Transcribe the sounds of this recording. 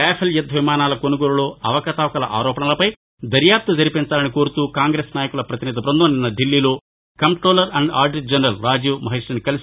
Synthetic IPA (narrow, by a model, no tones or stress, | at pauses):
ɛːpʰɐljɐd̪ʱɐʋimaːnaːlɐkonuɡoːɾuloːʔɐʋɐkɐt̪aʋɐkɐlɐ̰ʔa̰ːɾɔːpɐɳɐlɐpɐj | d̪ɐɾjaːp̚t̪ɐd͡ʒɐɾipint͡ʃaːlɐniko̞ːɾut̪uːkaːŋɡɾeːsnaːjɐkulɐpɾɐt̪iniːd̪ʱɐbɾɐnd̪onːinːɐɖilːiːlo̞ː | kɐmʈɾoːlɐɾɐɳɖa̰ːɾɖd͡ʒɐnɾɐlɾaːd͡ʒuːmɐɦiʂɐnikɐlisi